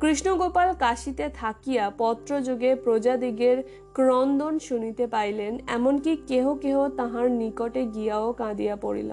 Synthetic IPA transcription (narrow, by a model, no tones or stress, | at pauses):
kɾiʃnoɡopalkaʃit̪et̪ʰakijapɔt̪ːɾod͡ʑoɡepɾod͡ʑad̪iɡeɾ | kɾɔnd̪onʃunit̪epajlenɛmonkikeɦokeot̪ãɦãɾnikoʈeɡijaokãd̪ijapoɽḭlḛn